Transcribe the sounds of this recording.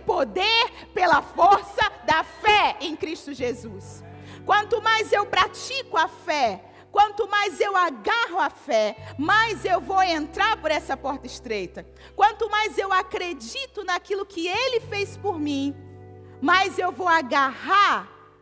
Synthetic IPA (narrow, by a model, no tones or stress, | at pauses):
pod̪eɾ | pelɐfoɾsɐd̪ɐfɛẽj̃kɾist̪ʊʒezus | kwɐ̃nt̪ʊmajzewpɾat͡ʃikʊafɛ | kwɐ̃nt̪ʊmajzewaɡaɦʊafɛmajzewvowẽnt̪ɾaɾpoɾɛsɐpɔɾt̪ɐɪst̪ɾejt̪ɐ | kwɐ̃nt̪ʊmajzewakɾed͡ʒit̪ʊnɐkilʊkʰɪelɪfejspoɾmĩ | mɐjzewvowaɡahaɾ